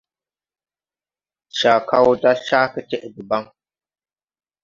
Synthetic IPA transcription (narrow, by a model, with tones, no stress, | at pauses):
ʃaː˨kʰa˦wda˦ʃaː˦kɨ˨tɛ˦ʔɪ˨dʊ˨ba˦ŋ